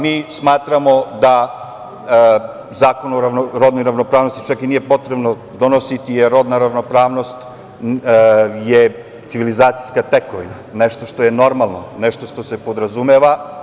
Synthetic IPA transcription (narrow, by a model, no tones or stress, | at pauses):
miːsmaːt̪ɾamo̞d̪a | zaːkonoɾaɾod̪nojɾaʋnopɾaːʋno̞st̪it͡ʃakinije̞po̞t̪ɾebno | d̪onosit̪ijeɾːo̞d̪naɾaʋno̞pɾaːʋno̞st̪ | je | t̪siʋilizaːt̪si̥jskat̪ekoʋinaneʃt̪o̞ʃt̪o̞jeno̞ɾmalˠnoneʃt̪oʂt̪osepo̞d̪ɾazumeʋa